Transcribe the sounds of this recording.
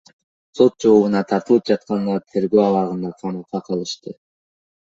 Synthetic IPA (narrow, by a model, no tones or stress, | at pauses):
so̞t̪̚d͡ʒoβunɑt̪ʰɑɾt̪ɯlˠɯp̚d͡ʒɑt̪̚qɑnd̪ɑɾt̪ʰe̞ɾɡøɑwɑʁɯnd̪ɑqʰɑmɯqɑqʰɑlˠɯʃt̪ɯ